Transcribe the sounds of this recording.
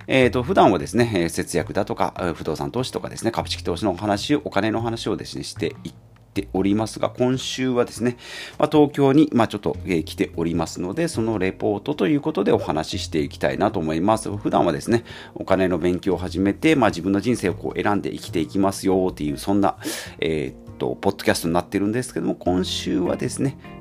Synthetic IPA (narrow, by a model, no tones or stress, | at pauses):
eːt̪o̞ɸɯ̟d̪ãɰ̃ad̪e̞sɨne̞ːse̞t͡sɨjakɯ̟d̪at̪o̞ka̰ɸɯd̪o̞ːsa̰nt̪o̞ːɕi̥t̪o̞ka̰d̪e̞sɨne̞kabɯ̟̥ɕi̥kʲi̥t̪o̞ːɕino̞ɦanaɕioʔokane̞no̞ːɦanaɕio̞d̪e̞sɨne̞̰ɕi̥t̪e̞i | t̪ːe̞o̞ɾʲimasɨɡa̰kõ̞ɰ̃ɕɨːβad̪e̞sɨne̞mat̪o̞ːkʲo̞ːɲ̟imat͡ɕo̞t̪ːo̞̰eːkʲi̥t̪e̞ʔo̞ɾʲimasɨno̞d̪e̞so̞no̞ɾe̞po̞ːt̪o̞t̪o̞jɯ̟ːko̞t̪o̞d̪e̞o̞hanaɕiɕi̥t̪e̞ikʲi̥t̪a̰ḭnat̪o̞ːmo̞imasɨɸɯ̟d̪ã̰ɰ̃βad̪e̞sɨne̞ | o̞kane̞no̞bẽ̞ŋkʲo̞ːɦaʑime̞t̪e̞maːʑibɯ̃nːo̞ʑĩseːo̞ko̰ːʔe̞ɾãnd̪eʔḭkʲi̥t̪e̞ikʲimasɨjo̞ːt̪ːe̞jɯ̟ːsõ̞nːa̰ḛːtt̪ːo̞̰po̞t̪ːo̞kʲasɨ̥t̪o̞ɲinat̪ːeɾɯ̟nd̪esɨ̥ke̞d̪omokõ̞ɰ̃ɕɨːβa̰d̪e̞sɨne̞